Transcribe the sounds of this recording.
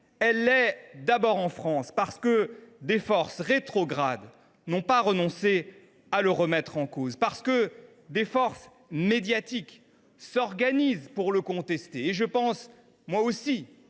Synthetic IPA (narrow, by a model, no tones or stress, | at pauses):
ɛlːɛd̪abɔʁɑ̃fχɑ̃spaʁsə̥kəd̪efɔʁsʁet̪χɔɡʁad̪ | nɔ̃paʁənɔ̃se | aləʁəmɛt̪χɑ̃kozpaʁsə̥kə | d̪efɔʁs | med̪jat̪ik | sɔʁɡanizpuʁləkɔ̃t̪ɛst̪eːʒəpɑ̃s | mwaosi